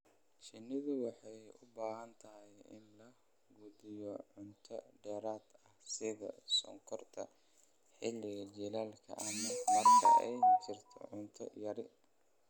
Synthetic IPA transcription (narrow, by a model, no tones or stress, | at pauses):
t͡ʃɪnɪðʊwɑħɑjʊbaːɦɐnt̪ʰɐɦɛjɪ̰nlɐ | ɡud̪ɪjɔʕʊnt̪ʰɐ̰ɖɛːɾaːd̪ɐhsɪɣɐ̰sɔŋkʰɔrt̪ʰɐ̰ | ħɪlɪɣɐd͡ʒɛlaːlkʰɐ̰ʔɐmɐmɐrkʰɐʔɛjt͡ʃʰɪrt̪ʰɔ̰ʕʊnt̪ʰɔ̰jɐɾɪ